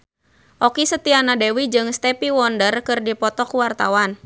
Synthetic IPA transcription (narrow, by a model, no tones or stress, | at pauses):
ʔɔkisət̪ianadewid͡ʒɨŋst̪ɛpiwɔndərkɨrdipɔt̪ɔkuwart̪a̰wan